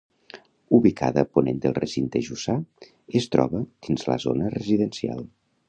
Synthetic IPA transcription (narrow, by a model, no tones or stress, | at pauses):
uβikʰa̰ðəponend̪əlˠresint̪eʒusa | est̪ɾɔ̰βəd̪̥inzlə̰zonərəziðənsia̰lˠ